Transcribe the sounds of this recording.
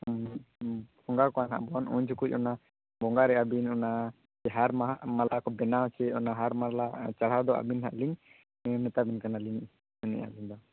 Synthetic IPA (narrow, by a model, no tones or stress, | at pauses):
bɔŋɡakɔana̰ʔbɔnṵɲd͡ʒukuc̚ˀɔna | bɔŋɡaɾɛabinɔna | d͡ʒɛɦaɾmamalakɔbɛnat͡ʃɛɔnaɦaɾmalat͡ʃaɽ̤ad̪ɔa̰binɦa̰ʔliŋ | nɛt̪abɛnkanaliŋ | uɲɛ̰ʔa̰liŋd̪ɔ